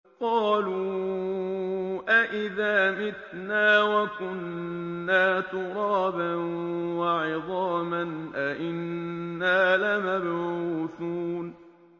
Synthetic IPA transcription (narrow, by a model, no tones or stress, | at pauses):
qɑːluː | ʔaʔɪðaːmɪt̪ | naːwakʊnːaːt̪ʊɾˤɑːbanwaʕɪðˤɑːmanʔaʔɪnːaːlamabʕuːθuːn